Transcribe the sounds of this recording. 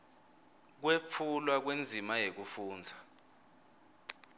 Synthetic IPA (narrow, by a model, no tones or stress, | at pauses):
k̬wep̪fʰulwak̬wend͡zʱimajek̬ufuːnd͡zʱḁ